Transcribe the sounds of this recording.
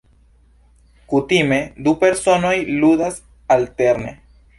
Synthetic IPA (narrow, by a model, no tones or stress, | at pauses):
kut̪imed̪upeɾsonojluðas | alt̪eɾnḛ